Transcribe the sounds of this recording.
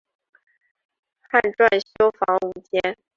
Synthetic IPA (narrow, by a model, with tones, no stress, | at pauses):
xa˥˧nʈ͡ʂwa˥˩nɕjo˥ʊfɑ˧˥ŋu˨˥˩t̪ʰjɛ˥n